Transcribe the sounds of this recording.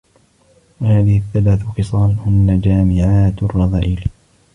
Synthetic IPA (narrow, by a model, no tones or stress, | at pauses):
wahaːðɪhɪθːalaːθʊqɨsˤɑːlhʊnːad͡ʒaːmɪʕaːt̪rˤːɑðˤaːʔɪl